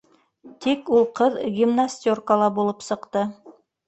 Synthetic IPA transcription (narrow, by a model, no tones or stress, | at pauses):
t̪ikulˠqɤðɡʲimnasʲt̪ʲorkəlˠɑbulˠɤpsɤ̆qt̪ɤ